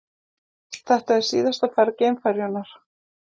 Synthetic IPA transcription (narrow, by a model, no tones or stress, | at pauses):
θɛht̪aɛɾ̥sḭːðast̪afaɾceːmfaɾjɔnaɾ̥